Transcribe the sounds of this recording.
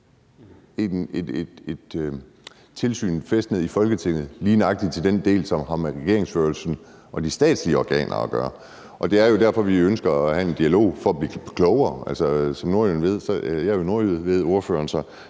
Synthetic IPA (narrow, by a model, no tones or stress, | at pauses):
ene̥ed̥e̝d̥ | t͡sʰe̝lsy̰ːnfesd̥neð̩ˠifɒ̽lɡ̥ət͡sʰe̝ŋ̰ð̩ˠliːnɑ̈ɡ̥̚d̥id̥̚t͡sʰe̝ld̥end̥e̝̰ːlsɒ̽mɦɑ̈mʁɛɡ̥e̝ɐ̰e̝ŋsføɐlsn̩ | ʔɒ̽d̥isd̥ɛ̰ːd̥sliəɒɡ̥ɛ̰ːnʔɐ̰ɒɡ̥ɶ̰ːɐ | ʔɒ̽d̥e̝æɐjo̝dæɐfɒ̽ʋiønsɡ̥ɐæhæe̝nd̥iælo̝̰ʊ̰fɒ̽ɒb̥liɡ̥ʰlɔʊɐːælsɐsɒ̽mno̝ɐjunʋe̝ð̞̰ˠsɒ̽jɑ̈ɐjo̝no̝ɐuð̩ˠʋe̝ð̰ˠo̝ɐfø̰ːɐnsɒ̽